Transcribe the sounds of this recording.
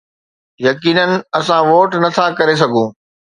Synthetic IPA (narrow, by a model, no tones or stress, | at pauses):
jɐkiːnənɪ̆ɐsãʋoːʈnɐt̪ʰakɐɾes̬ɐɡʱũː